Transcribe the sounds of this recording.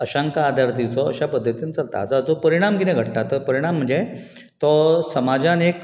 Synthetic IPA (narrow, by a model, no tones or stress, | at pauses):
əɕaŋkaːd̪ʱaɾt̪it͡sɔə̰ɕapəd̪ʱːət̪iːnt͡səlt̪a̰t͡saət͡sopəɾiɽ̃amkinẽɡʱəʈʈat̪əɾpəɾiɽ̃am̤ːəɳd͡ze | t̪ɔsəmad͡ʑanek